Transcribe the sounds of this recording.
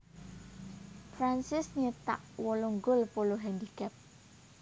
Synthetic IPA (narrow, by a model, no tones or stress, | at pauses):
fɾansɪsɲət̪a̰ʔwɔlɔŋɡʊlpoloɦɛndikɛp̚